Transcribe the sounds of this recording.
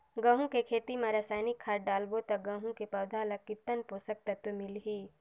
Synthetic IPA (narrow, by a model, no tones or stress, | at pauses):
ɡə̃ɦũkekʰeːt̪imẽɾaːsaːjnɪkʰːaːɾɖaːlbot̪ɐɡə̃ɦũkepɐwd̪ʱaːlɐkːɪt̪ːənpoːsək̚t̪ɐt̪omɪlɦiː